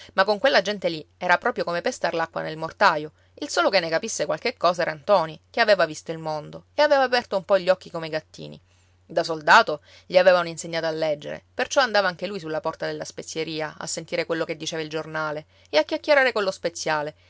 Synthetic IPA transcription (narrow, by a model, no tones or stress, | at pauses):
makːoŋkwelːad͡ʒɛnt̪eliɛːɾapɾɔːpɾjokomepest̪arlakːwa̰nelmort̪aːjo | ilsoːlokenːekapisːekwalkekːɔːsaɛːɾant̪ɔːnikeaveːvavist̪oilmond̪oeaveːvaːpɛrt̪oumpɔʎːɔkːikomeɡat̪ːḭːnḭ | d̪asold̪aːt̪o | ʎiavɛːvauninseɲːaːt̪oalːɛd͡ʒːḛɾḛpert͡ʃɔand̪aːvaaŋkelujs̬ulːapɔrt̪ad̪elːaspet̪sːjeɾiːaa̰sːent̪iːɾekwelːoked̪ːit͡ʃeːvaild͡ʒornaːle | eakːjakːeɾaːɾekwolːospet̪sːjaːle